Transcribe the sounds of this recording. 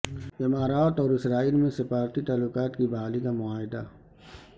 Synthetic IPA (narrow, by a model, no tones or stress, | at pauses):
ɪmaːɾaːt̪ɔːɾɪsɾaːiːlmẽsɪfaːɾt̪it̪aːlːʊkaːt̪kibɐɦaːlikamʊaːɦɪd̪a̰